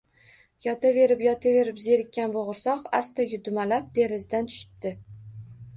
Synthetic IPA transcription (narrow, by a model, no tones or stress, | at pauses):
jɒt̪ʰave̞ɾɪpjɒt̪ʰave̞ɾɪpzeɾɪkʲːanboʁʊɾsɒqa̰st̪ajʲʊd̪ʊmalap̚d̪e̞ɾɪzd̪ant̪ʰʊ̥ʃɪ̥t̪d̪ɪ